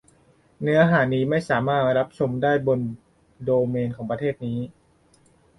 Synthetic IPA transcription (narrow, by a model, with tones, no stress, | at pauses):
nɯ˦˥ɐɦaː˩˦niː˦˥ma˥˩jsaː˩˦maː˥˩t̪̚ɾa˦˥p̚t͡ɕʰo˧mdaː˥˩jbo˧n | doː˧meː˧nkʰɔː˩˦ŋpɾa˧t̪ʰeː˥˩t̪̚niː˦˥